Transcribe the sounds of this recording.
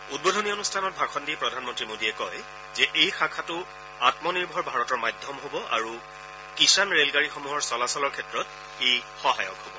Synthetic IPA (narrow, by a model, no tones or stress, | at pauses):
ut̚bodʱɔnionustʰanɔt̚bʱaxʰɔndipɹɔdʱanmɔntɹimodiɛkɔj | zɛʔejxakʰatʊ | atmɔniɹbʱɔɹbʱaɹɔtɔɹmajdʱːɔmɦobɔʔa̰ɹu | kisanɹelɡaɹixomuɦɔɹsɔlasɔlɔɹkʰɛtɹɔt̚ | ejxɔɦajɔ̰kɦobɔ